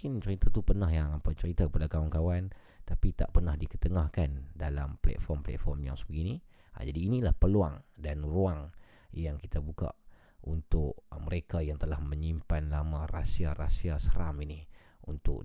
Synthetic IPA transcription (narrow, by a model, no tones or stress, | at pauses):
kɪnt͡ʃəɾit̪at̪upərnaɦjaŋapat͡ʃəɾit̪akəpadakawankawan | t̪apit̪aʔpərnahdikət̪əŋahkandala̰mplɛ̰t̪̚fɔrmplɛ̰t̪fɔrmja̰ŋsəbəɡini | a̰d͡ʒadiːnilahpəluaŋdanruaŋ | jaŋkit̪abuka̰ʔ | unt̪ʊʔməɾekajaŋt̪əlahmə̃ɲimpanlamãrasiarasiasəɾa̰mini | unt̪ʊ̰k